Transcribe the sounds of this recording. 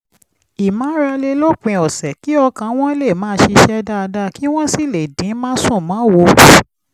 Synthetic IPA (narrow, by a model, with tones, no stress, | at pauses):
i˨mã˨˦ɾa˧le˧lo˦˨k͡pĩ˧˨ɔ˨sɛ˨ki˨˦ɔ˧kã˧w̃ɔ̃˦le˦˨mãː˨˦ʃi˧ʃɛ˦da˦a˧da˦ki˦w̃ɔ̃˦si˦˨le˨dĩ˨˦mã˦sũ˦˨mãː˨˦wo˧